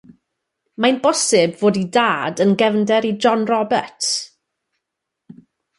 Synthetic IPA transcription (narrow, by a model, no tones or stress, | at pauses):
majnbɔsɪbvoːdidaːdənɡɛvndɛɾid͡ʒɔnrɔbɛ̰rt